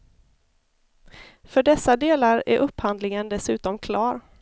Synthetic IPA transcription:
fœɖɛsːad̪eːlaɾæ̰ɾʔɵpːhand̪lɪŋənd̪ɛsʉ̟ːt̪ɔmkʰlɑːɾ

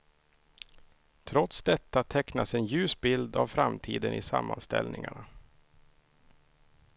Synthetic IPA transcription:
t̪ʰɾɔt̪sd̪ɛt̪ːat̪ʰɛknasɛnjʉ̟ːsbɪld̪avfɾamt̪ʰiːd̪ənʔɪsamːanst̪ɛ̰lnɪŋaɳa

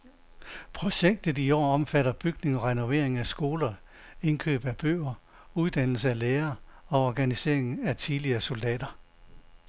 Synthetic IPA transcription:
pʰʁo̝ɕeɡ̥̚d̥əð̩ˠiɒ̰ːɒ̽mfæɾɐb̥yɡ̥ne̝ŋɒ̽ʁɛno̝ʋe̝ɐ̰eŋæsɡ̥o̝ːlɐ | e̝nkʰø̰ːb̥æb̥ø̰ːɐ | uð̞ˠd̥æn̰l̩səæleːɐːɒ̽ɒɡ̥ænise̝̰ɐ̰eŋæt͡sʰiðˠliɐːso̝ld̥ɛ̰ːd̥ɐ

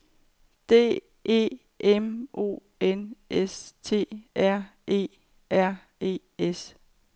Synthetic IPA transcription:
d̥e̝̰ː | e̝̰ː | emʔo̝̰ː | enʔest͡sʰe̝̰ːæɐ̰e̝̰ː | æɐ̰ | e̝̰ː | es

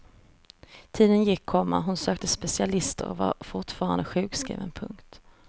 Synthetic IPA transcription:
t̪ʰiːd̪ənjɪkʰːɔmːa̰ɦʊnsøːkt̪əspɛsɪalɪst̪ə̰ɾɔva̰ɾfʊʈfɑːɾa̰nd̪əɧʉ̟ːɡskɾḭːvənpʰɵŋkt̪

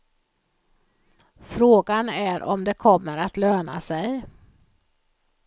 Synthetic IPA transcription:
fɾoːɡanæɾʔɔ̰md̪ɛkʰɔmːəɾat̪løːna̰sɛj

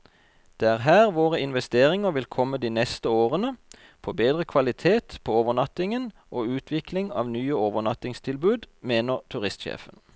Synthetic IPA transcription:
d̪̥eːæːʁɦæːʁʋoːʁəɪnʋɛst̪eːʁɪŋəʁʋɪlkʰɔmːəd̪iːnɛst̪əoːʁənə | pʰoːbeːd̪ʁəkʰʋɑlɪt̪ʰeːt̪pʰoːoːʋəʁnɑt̪ɪŋən | ʔoːʉːt̪ʰʋɪklɪŋɑ̰ːʋnyːəoːʋənɑt̪ɪŋst̪ʰɪlbʉːd̪meːnəʁt̪ʰʉʁɪst̪ʃḛːfən

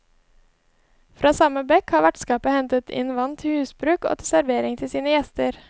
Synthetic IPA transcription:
fɾʔɑːsɑməbɛkhɑːʋæʈskɑːpəhɛnt̪ət̪ʰɪ̰nʋɑnt̪ʰhʉːsbɾʉːko̰ːt̪ʰɪsæɾʋeːɾɪŋt̪ʰɪlsiːnəjɛst̪əɾ

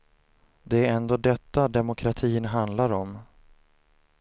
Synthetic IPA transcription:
d̪ɛæɾɛnd̪oːd̪ɛt̪ːad̪ɛmʊkʰɾat̪ʰiːnɦand̪laɾɔm

